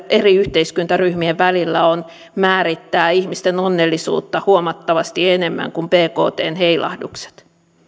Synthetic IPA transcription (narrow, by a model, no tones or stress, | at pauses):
eriyht̪eiskynt̪æryhmieʋʋælilːæon | mæːɾit̪ːæːihmist̪enonːelːisṵːt̪ːɑhuomɑt̪ːɑʋɑst̪ienemːæ̰ŋkumpeːko̰ːt̪ḛːnheilɑ̰hdṵkse̥t̪